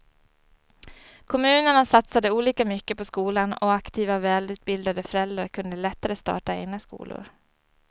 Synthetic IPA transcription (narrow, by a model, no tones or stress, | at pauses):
kʰɔmʉ̟ːnəɳasat̪sad̪əuːliːkamʏkːəpɔskuːlanɔ̰akt̪ʰiːvavɛːlʉ̟ːt̪̚bɪld̪ad̪əfœɾɛld̪ɾaɾkʰɵnd̪əlɛt̪ːaɾəst̪ɑ̰ːʈaḛːɡnaskṵːlʊ̰ɾ